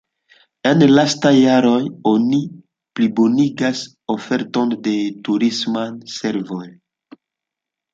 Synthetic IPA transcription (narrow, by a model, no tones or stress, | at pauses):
e̞nlastajːaɾo̞joni | plibo̞niɡas | o̞fe̞ɾto̞nde̞tuɾismanse̞ɾvo̞j